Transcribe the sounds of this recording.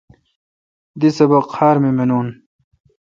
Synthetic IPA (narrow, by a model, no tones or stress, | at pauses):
d̪isɐbɐqhaːɾmimenuːn